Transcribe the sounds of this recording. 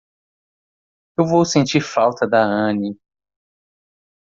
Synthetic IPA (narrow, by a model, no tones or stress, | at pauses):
ewvowsẽnt͡ʃiɾfawt̪ɐd̪ɐɐ̃ni